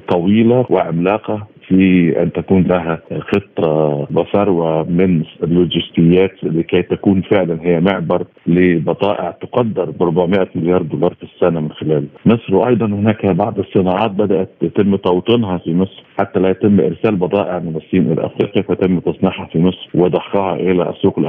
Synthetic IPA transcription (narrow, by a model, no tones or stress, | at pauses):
t̪ˤɑwiːlawɪʕamlaːqafiʔæ̰nt̪ækuːnlæɦæxet̪ˤːɑbɪsɑɾˤwamɪnlːʊd͡ʒɪst̪ɪjːæːt̪lːikæjt̪ækuːnfɪʕlænɦɪjːæmɪʕbɑɾˤ | lɪbɑd̪ˤɑːʔɪʕt̪ʊqɑd̪ːɑɾˤbɾˤʊbaʕmɪʔamɪljɑːɾˤd̪uːlɑːɾˤfisːænamɪnxɪlæːlmɪsˤɾwʔɑ̰jd̪ˤɑnhɪnæːkbɑʕd̪ɑsˤːɨnɑːʕɑːt̪̚bæd̪æʔæt̪jæt̪ɪmːt̪ˤɑwt̪ˤɨnɦɑfimesˤɾħat̪ːælæjæt̪ɪmːʔɪ̰ɾsæːlbɑd̪ˤɑːʔɪʕmɪnɑsˤːiːnʔɪ̰læ̰ʔæ̰fɾiːqjafæjt̪ɪmːt̪ɑsˤnɑħhɑfimɪsˤɾwɪd̪ˤɑħqɑːhɑ̰ʔɪlæ̰sːuːqɪlʔ